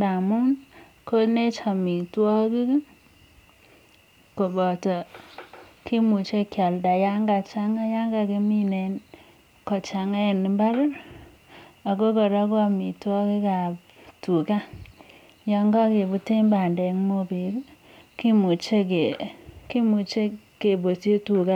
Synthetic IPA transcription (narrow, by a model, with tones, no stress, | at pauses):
da˨mu˦n | ko˦ne˦t͡ʃa˨mi˨twɔ˦ki˦k | ko˨bɔ˨tɔ˨ | kʰi˦mu˨t͡ʃe˦kja˨lda˨ja˦ŋɡa˨t͡ʃa˦ŋa˦ja˦ŋɡa˨ke˦mi˦ne˨n | kɔ˨t͡ʃa˨ŋa˦ɛ˨nɪ˨mba˦ɾ | a˨ko˦kɔ˨ɾa˦ko˦a˨mi˨twɔ˦ki˦ka˨p | tu˨ka˦ | ja˦ŋɡa˦ke˨bu˦te˦mba˨ndɛ˨ŋmo˦be˨ɾ | ki˦mu˨t͡ʃe˦ke˨ki˦mu˨t͡ʃe˦ | ke˨bo˨te˦tu˨ka˦